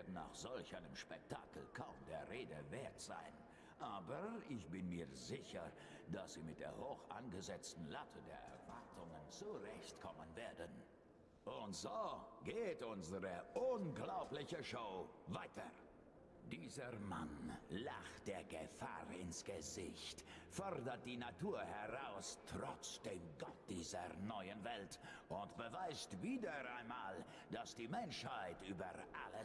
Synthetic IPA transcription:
vɪɐdn̩na̰ːχz̥ɔlçʔaɪnəmʃpɛk̚tʰa̰ːkl̩kʰaʊmdeːɐʁeːdəveːɐtz̥a̰ɪn | ʔaːbɐɪçb̥ɪnmiːɐzɪçɐ | d̥asz̥iːmɪt̚d̥ḛːɐhoːxʔa̰nɡəzɛt͡stn̩latʰədeːɐʔɛ̰ɐvaɐtʰʊŋənt͡suʁɛçtkʰɔmənveːɐdən | ʔʊntz̥oːɡ̥eːtʔʊnzəʁəʔʊnɡlaʊplɪçəʃoʊvaɪtʰɐ̰ | d̥iːzəma̰nla̰χtd̥eːɐɡə̰fa̰ːʁɪ̰nsɡ̥əzɪçtfɔʁdɐt̚d̥iːnatʰuːɐhɛʁaʊstʁ̥ɔt͡sd̥eːmɡɔt̚d̥iːzɐ̰nɔʏənvɛltʔʊntb̥əvaɪstviːdɐaɪnmaːl | d̥asd̥iːmɛnʃhaɪtyːbɐʔa̰lə

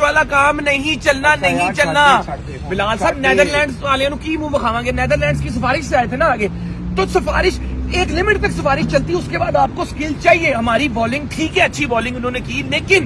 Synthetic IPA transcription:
ʋaːlakaːmnɐɦĩt͡ʃɐlnanɐɦĩt͡ʃɐlnaː | bɪlaːlsaːbnɛːd̪əɾlɛ̃ːɳɖsaːlẽãnũkiːmuːʋəkʰaːʋãːɡeːnɛːd̪əɾlɛ̃ːɳɖskis̬ɪfaːɾɪʃseaːet̪ʰenaaːɡeː | t̪osɪfa̰ːɾɪʃeːklɪmɪʈt̪ɐksɪfaːɾɪʃt͡ʃɐlt̪iʊskebaːd̪aːp̚koskɪlt͡ʃaːɦieɦɐmaːɾibɔːlɪ̃ŋɡʈʰiːkɦɛɐtːʃʰiʋɔːlɪ̃ŋɡʊnɦõːnekiːleːkɪn

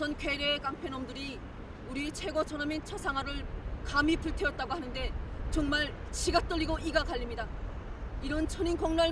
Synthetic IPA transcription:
sʰʌnkɥe̞ɾek͈aŋpʰenʌmdɯɾi | uɾit͡ɕʰe̞ɡʌt͡ɕʰʌnamint͡ɕʰʌsʰaŋɦaɾɯɭkamipuɭtʰeʌt̚t͈aɡohanɯnde̞t͡ɕoŋmaɭ | t͡ɕʰiɡat͈ʌʎːiɡoʔiɡakaʎːimɲida | iɾʌnt͡ɕʰoɲinkʌŋnaɭ

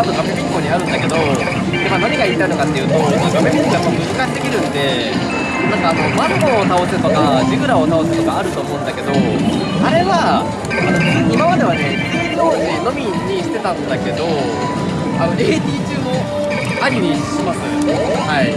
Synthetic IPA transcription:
at̪okapepʲikːo̞ɲ̟iaɾɯ̟̃nd̪ake̞d̪o̞ | d̪emanaɲ̟ʲiɡaiɾʲit̪aino̞kat̪ːe̞jɯ̟ːt̪o̞k̪oɡomeneojamːaɾmɯ̟zɨkaɕit̪ːe̞kʲiɾɯ̟̃nd̪e̞ | nãŋkaːno̞mapoːt̪ao̞sɨt̪o̞kad͡ʑiɡɯ̟ɾao̞t̪ao̞sɨ̥t̪o̞ɡaːɾɯ̟t̪o̞ːmo̞ɯ̟̃nd̪ake̞d̪o̞ | aɾe̞βa | akanoimaβad̪e̞β̞ane̞ | ioneno̞mʲi | ɲ̟ːiɕi̥t̪e̞t̪ãnd̪ake̞d̪o̞ | anoɾʲeet̪ʲiːt͡ɕɨːo̞ | aɲʲimʲiɕimasɨehai

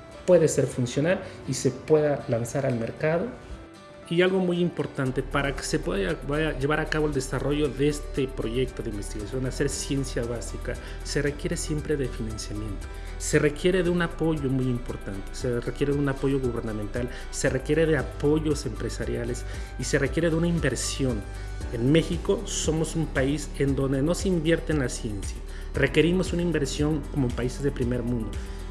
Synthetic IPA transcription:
pwe̞ðe̞se̞ɾfunsjo̞nal | ise̞pwe̞ðalansaɾalme̞ɾkaðo̞ | ialɣo̞mujimpo̞ɾt̪ant̪e̞paɾake̥se̞pweðabaaʝe̞βaɾakaβ̞oeld̪e̞saro̞ʝo̞ðeest̪epɾo̞ʝe̞k̚t̪o̞ðeimbe̞st̪iɣasjo̞nase̞ɾsje̞nsjaβasika | se̞re̞kje̞ɾe̞sje̞mpɾe̞ðe̞finansjamjẽ̞nt̪o̞̥ | se̞re̞kje̞ɾe̞ðeunapo̞ʝo̞mujimpo̞ɾt̪ant̪e̥serekje̞ɾe̞ðeunapo̞ʝo̞ɣuβe̞ɾnamẽnt̪al | se̞re̞kje̞ɾe̞ðe̞apo̞ʝo̞se̞mpɾe̞saɾjale̞s | ise̞re̞kje̞ɾeðeunaimbe̞ɾsjo̞n | enme̞xiko̞so̞mo̞sumpaise̞nd̪o̞nd̪e̞no̞seimbje̞ɾt̪eːnlasje̞nsja | re̞ke̞ɾimo̞sunaimbe̞ɾsjo̞ŋko̞moempaise̞zðepɾime̞ɾmũnd̪o̞

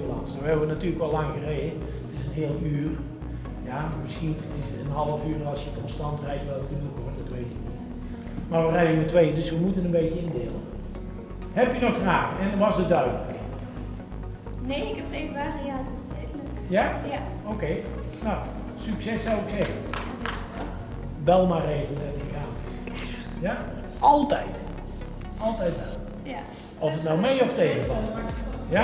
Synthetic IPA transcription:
əlɑnstoːɛʋənatyːrləkʋɛlːɑŋɣərejdə | ətɪsənɦeːlˠyːr | jamɪsxin | ɪsətənɦɑlˠəfyːrɑlˠsjəkɔnstɑntrɛjtʋɛlˠkəndəkordɑtʋejtɪknit | maːɹʋərɛjəmɛtʋejəndɵsʋəmutənənbejtəɪndeːlˠə | hɛpjənɔxfraːɣəɛnnʋɑsət̚dœɥdələk | nejɪkɛprevaːriatɪsɛənəkjaowkej | na | syksɛsːɑwɪksɛɣən | ʋɛlˠmaːrejvənɛtχəɡaːn | ja | ʔɑlˠtɛjt | ʔɑlˠtɛjt̚dadələ | ɔfətnɔwmejɔftejχəvɑlja

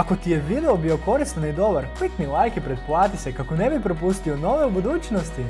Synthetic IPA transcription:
akot̪ijeʋid̪eobio̞ko̞ɾist̪anid̪obaɾmit̪nilˠaːjkipɾet̪̚plˠaːt̪isekakonebipɾop̬ust̪ionoʋeubud̪uːt͡ʃnost̪i

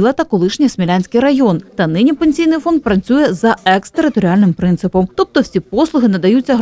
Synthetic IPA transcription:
lˠɐt̪ɐkɔlˠɪʃnʲisʲmʲilʲanʲsʲkɪjɾɐjɔnt̪ɐnɪnʲipe̞nʲsʲijnɪjfɔnd̪̚pɾɐt͡sʲujɛzɐɛkst̪eɾɪt̪ɔɾʲialʲnɪmpɾɪnt̪sɪpɔmt̪ɔp̚t̪ɔwsʲipɔslˠʊɦɪnɐd̪ɐjut͡sʲːɐɦ

